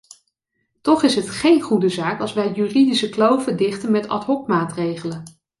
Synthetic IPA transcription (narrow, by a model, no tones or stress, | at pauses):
tɔχɪsɦətχejnχudəzaːkɑlˠsʋɛjjyridisəklowvədɪχtənmɛtɑ̰tɦɔpmaːtrejχələn